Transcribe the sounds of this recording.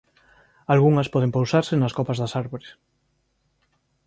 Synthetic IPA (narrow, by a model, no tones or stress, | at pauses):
alɣuŋɐspɔð̞empowsaɾsenɐskopɐzðasaɾβoɾes